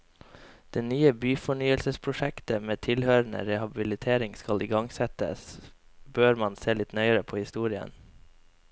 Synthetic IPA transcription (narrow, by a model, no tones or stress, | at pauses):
d̪̥eːnyːəbyːfɔɳyːəlsəspʰɾʊʃɛkt̪əmeːt̪ʰɪlhøːɾɳə̰ɾɛhɑbɪlɪt̪ʰeːɾɪŋskɑlɪːɡɑŋsɛt̪ə̰sbøːɾmɑnseːlɪt̪nœʏəɾəpʰoːhɪst̪uːɾɪə̰n